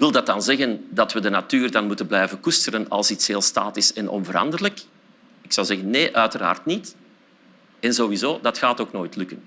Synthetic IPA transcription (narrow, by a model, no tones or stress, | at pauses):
ɪkʋɪlˠdɑt̚dɑnzɛɣəndɑtwədənatyːrdɑnmutənblɛjvənkustəɾənɑ̰lˠsitsɦeːlˠsta̰ːtɪsɛnʔɔ̰nvəɾɑ̰ndərlək | ɪksɑwzɛɣənːeːʔœɥtəra̰ːrtnit | ɛnzoːwizoːdɑtxaːtoːknoːjtlʉkən